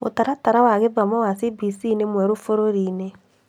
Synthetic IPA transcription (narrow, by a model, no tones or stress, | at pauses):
o̰taɾataɾawaɣebamɔwasibisinemwɛɾofoɾoɾiːne